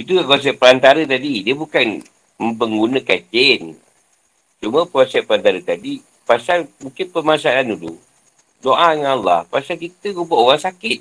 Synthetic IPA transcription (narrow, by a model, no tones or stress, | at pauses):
it̪̬uɡakɔs̬ɛʔ̚pəɾant̪aɾət̪adidiəbukan | məmpəŋɡunəkət͡ʃɪn | t͡ʃuməpəɾɔsɛpəɾant̪aɾət̪adi | pasalmuŋkɪnpəmasalanudṵ | doʔaŋaalːa̰hpasalkit̪əɡubaowaŋsakɪt̪̚